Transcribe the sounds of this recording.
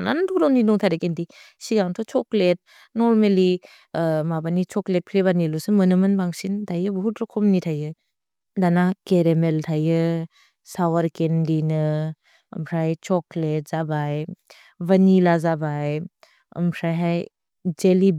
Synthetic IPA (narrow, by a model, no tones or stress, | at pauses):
na̰nɯtʰukɾɔninɔŋtʰajɾakendi | siɡaŋtʰɔt͡ʃɔklet̚ | nɔɾmeli | mabanit͡ʃɔklet̚pʰiɾebanilɔsɯmɯnɯmɯnbaŋsindajɯbɔɦutɾɔkʰɔmnitʰajɯ | danakeɾemeltʰajɯ | sawaɾkendinɯ̰ː | mpʰɾajt͡ʃɔklet̚z̥abaj | banilazabaj | ɯ̰mpʰɾajɦaj | d͡ʒeli